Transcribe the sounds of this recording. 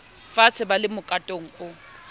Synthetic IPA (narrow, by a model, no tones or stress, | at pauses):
fat͡sʰɪbalɪmʊkʼatʼoŋ̩ʊ